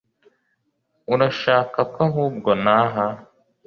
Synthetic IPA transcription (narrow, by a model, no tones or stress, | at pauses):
uɾaʃaːkakaɦuːb̚ɡonaːɦa